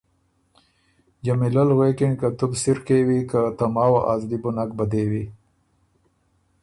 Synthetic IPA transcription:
d͡ʒamilalɣwekenkat̪ubsiɾkewikat̪amaːwaʔazlibunak̚bɐd̪ewi

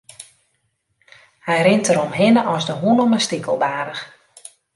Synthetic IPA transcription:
hɛjrɪntəɾɔmɦɪnəʔɔsdəɦunɔməstikəlˠbaːɾəx

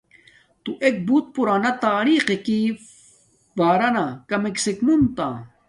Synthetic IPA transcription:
t̪uʔek̚but̪̚puɾaːnɐt̪aːɾiqeki | baːɾɐnakɐmeksekmunt̪a̰

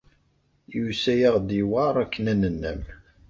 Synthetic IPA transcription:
jusæjaʁd̪iwɑɾˤækːənænənːæ̰m

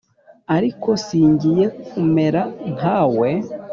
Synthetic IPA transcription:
aɾiko̞siːɲɟije̞kume̞ɾaŋ̥haːwe̞

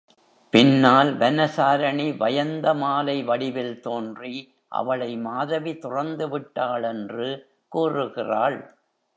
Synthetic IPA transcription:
pɪnːaːlʋɛnɐsaːɾɐɳiʋɐjɐnd̪ɐmaːlɐɪʋɐɽɪʋɪlt̪oːndri | ʔɐ̰ʋɐɭɐɪmaːðɐʋit̪ʊrɐnd̪ɯʋɪʈːaːɭɛndrɯ | kuːrɯɣɪraːɭ

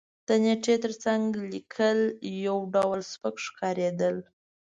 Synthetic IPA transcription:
d̪̥əneʈ͡ʂet̪əɾt͡saŋɡlikʰəljawɖawlspəkʂkʰɑɾed̪əl

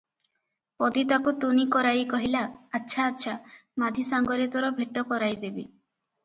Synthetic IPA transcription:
pɔd̪it̪akut̪unikɔɾajkɔɦilaːtːʃʰaːtːʃʰamad̪ʱisaŋɡɔɾit̪ɔɾɔbʱeʈɔkɔɾajd̪ebḭ

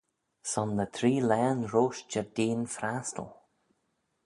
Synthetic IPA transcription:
sɔnðət̪ʰɾiːlɛːnɹoːʃd͡ʒəɹdeːnfɾast̪ə̰lˠ

